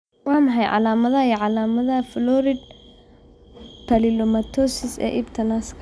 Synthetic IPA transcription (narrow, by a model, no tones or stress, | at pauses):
wɑːmɑħɑjʕɑ̰laːmɐðɐjɛʕɑlaːmɐðɐflɔɾɪd̪̚ | pʰɐlɪlɔmɐt̪ʰɔsɪsɛ̰ːʔibt̪ʰɐnaskʰ